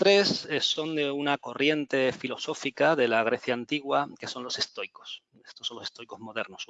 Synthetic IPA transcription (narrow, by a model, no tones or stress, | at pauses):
t̪ɾe̞sesːo̞nd̪e̞unako̞rje̞nt̪e̞filo̞so̞fikaðe̞laɣ̞ɾe̞θjaːnt̪iɣwake̞so̞nlo̞sest̪o̞jko̞̥s | est̪oso̞lose̥st̪ojko̞zmo̞ð̞e̞ɾnos